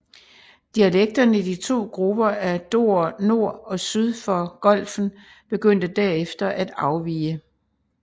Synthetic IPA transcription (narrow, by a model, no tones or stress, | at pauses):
d̥iæleɡ̥̚d̥ɐnəid̥it͡sʰo̝̰ːɡ̥ʁub̥ɐæd̥o̝ɐ̰no̝ɐ̰ɒ̽syðˠfɒ̽ɡ̥ɒ̽l̰fn̩ | b̥e̝ɡ̥øn̰d̥əd̥æɐefd̥ɐʔæd̥ɑ̈ʊʋḭːə